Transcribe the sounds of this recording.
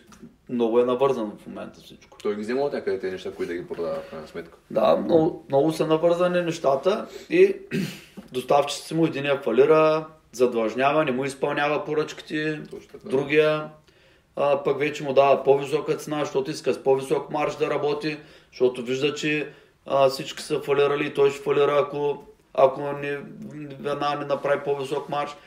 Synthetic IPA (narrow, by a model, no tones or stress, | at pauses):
mnɔɡʊɛnɐvɤɾzɐnfmomɛ̰nt̪ɐ̥fsit͡ʃkʊ̥t̪ɔjɡʲizɛmɐot̪nʲakəd̪ɛt̪ɛnɛʃt̪akoit̪d̪ɐɡʲipɾod̪avɐfkɾajnɐsmɛt̪kə̥d̪a̰mnɔʊmnɔɡʊsɐnɐvɤɾzɐninɛʃt̪at̪əi | d̪ost̪aft͡ʃi̥t̪i̥t̪imʊɛd̪inijəfɐliɾə | zɐd̪vɐʒnʲavɐnɛmuispɐlˠnʲavɐpoɾət͡ʃki̥t̪ɛd̪ɾuɡʲijə | pakvɛt͡ʃɛmʊd̪avɐpovisɔkət̪sɛnaʃt̪ot̪ʊiskəspovisɔkmaɾʃd̪ɐɾɐbɔt̪i | ʃt̪ɔt̪ʊviʒd̪ɐt͡ʃɛ | fsit͡ʃkʲi̥sɐfɐliɾɐliːt̪ɔjʃi̥fɐliɾɐːko | ɐ̰konivɛd̪nanɛnɐpɾavipovisɔkmaɾʃ